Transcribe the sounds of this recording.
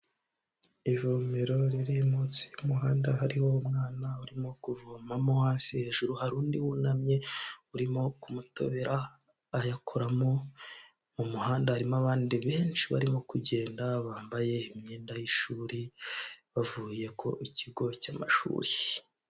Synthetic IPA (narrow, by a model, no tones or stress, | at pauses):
ivumeɾo̞ɾiɾimut͡sijumuɦaːndaɦaɾiho̞umŋaːnauɾimo̞kuvumamowaːnsihe̞ːʒuɾuhaɾuːndiwunamɲe̞uɾimo̞kumuto̞̰βeɾaː | jakʰoɾamo̞ | mumuhaːndahaɾimoaβaːndiβe̞ːnt͡ʃiβa̰ɾimo̞kuɟe̞ːndaβaːmbaje̞imɲiːndajiʃuːɾiβavuːje̞kʰo̞̰ʔiciɡo̞cama̰ʃṵːɾie